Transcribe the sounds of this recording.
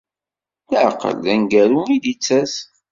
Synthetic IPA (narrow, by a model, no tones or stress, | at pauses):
θəʕ̰qə̰lðænɡæɾumidit͡sːæs